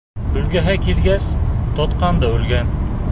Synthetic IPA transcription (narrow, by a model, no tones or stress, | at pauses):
ɵlɡʲæɦakʲʰelɡʲast̪ʰɒt̪qɑnd̪aʉlɡʲæn